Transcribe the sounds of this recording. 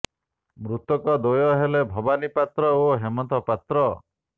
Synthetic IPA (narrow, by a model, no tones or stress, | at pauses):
mɾut̪ɔkɔd̪ojɔɦelebʱɔbanipat̪ɾɔoɦemɔnt̪ɔpat̪ɾɔ